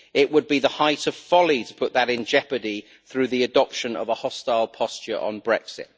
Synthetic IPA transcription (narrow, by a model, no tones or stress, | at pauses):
ɪʔwəd̚biðəhaɪtəv̥fɒlitʰə̥pʰʊʔðəɾɪ̃nd͡ʒɛpədi | θɹʉːðiədɒpʃə̃nə̰vəhɒstaɪlˠpʰɒst͡ʃə̰ɹʔə̰̃nbɹɛksɪ̰t̚